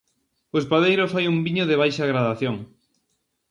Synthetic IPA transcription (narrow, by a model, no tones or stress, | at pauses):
oespaðejɾofajumbiɲoðeβ̞ajʃaɣɾaðaθjoŋ